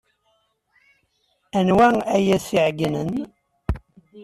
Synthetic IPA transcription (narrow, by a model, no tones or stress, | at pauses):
ænwææjæθiʕɡnən